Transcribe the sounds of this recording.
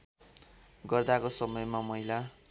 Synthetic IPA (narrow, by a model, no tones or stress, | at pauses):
ɡʌrd̪akosʌmʌjmamʌɦila